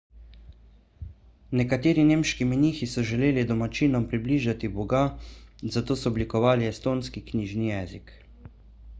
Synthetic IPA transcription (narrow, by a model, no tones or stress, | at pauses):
nɛkat̪eːɾineːmʃkiminiːxisɔʒɛleːlid̪ɔmat͡ʃiːnɔmpɾibliːʒat̪ibɔɡazat̪oːsɔːblikɔʋaːliɛst̪oːnskikniːʒnijɛːzik